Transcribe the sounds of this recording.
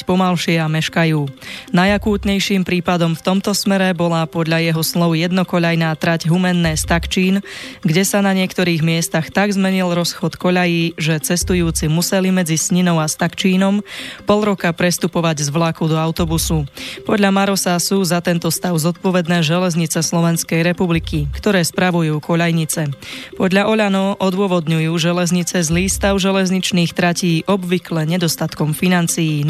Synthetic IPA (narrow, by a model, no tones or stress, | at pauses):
cpɔmalʃɪɛamɛʃkajuːnajakuːt̪ɲɛjʃiːmpɾiːpad̪ɔmft̪ɔmt̪ɔsmɛɾɛbɔlaːpɔd̪ʎajɛɦɔslˠɔʊjɛd̪nɔkɔʎajnaːt̪ɾaɟɦumɛnːɛːst̪akt͡ʃiːnɡɟɛsanaɲɪɛkt̪ɔɾiːɣmɪɛst̪axt̪aɡzmɛɲilɾɔsxɔt̪kɔʎajiːʒɛt͡sɛst̪ujuːt͡simusɛlimɛd͡zisɲinɔʊast̪akt͡ʃiːnɔmpɔlˠɾɔkapɾɛst̪upɔʋaɟzʋlakud̪ɔaʊt̪ɔbusupɔd̪ʎamaɾɔsasuzat̪ɛnt̪ɔst̪aʊzɔt̪̚pɔʋɛd̪nɛːʒɛlɛzɲit͡sɛslɔʋɛnskɛjɾɛpublikikt̪ɔɾɛːspɾaʋujuːkɔʎajɲit͡sɛpɔd̪lʎaʔɔʎanɔʔɔd̪ʊɔʋɔd̪ɲujuːʒɛlɛzɲit͡sɛzliːst̪aʊʒɛlɛzɲit͡ʃniːxt̪ɾaciːʔɔbʋiklɛɲɛd̪ɔst̪at̪kɔmfinant͡sijiː